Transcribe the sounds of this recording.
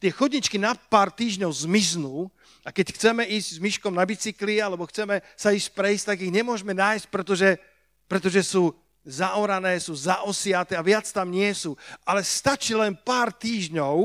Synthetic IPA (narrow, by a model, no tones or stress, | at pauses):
t̪ɪɛxɔdɲit͡ʃkinapaːɾt̪iːʒɲɔʊzmiznuː | akɛcxt͡sɛmɛiːzɟzmiʃkɔmnabit͡siklialɛbɔxt͡sɛmɛsaiːsc̚pɾɛist̪aɡiɣɲɛmʊɔʒɛmɛnaːjsc̚pɾɛt̪ɔʒɛ | pɾɛt̪̬ɔʒɛsuː | zaɔɾanɛːsuːzaʔɔsɪat̪ɛːaʋɪat͡st̪amɲɪɛsuːalɛst̪at͡ʃiːlɛnpaːɾt̪iːʒɲɔʊ